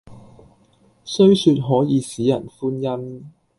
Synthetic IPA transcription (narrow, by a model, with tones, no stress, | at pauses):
sɵ˥ɥsyː˧t̚ɦɔː˨˥jiː˨˧siː˨˥jɐ˨˩nfuː˥njɐ˥m